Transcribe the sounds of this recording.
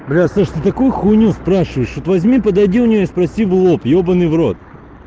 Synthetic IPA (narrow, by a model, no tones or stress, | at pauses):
blʲasaʂt̪ɨt̪ɐkujʊxunʲuspɾaʂɨvəjɪʂʋot̪vɐzʲmʲipəd̪ɐjdʲiʊnʲɪjoispɾɐsʲivɨlˠopjobənɨvɾot̪̚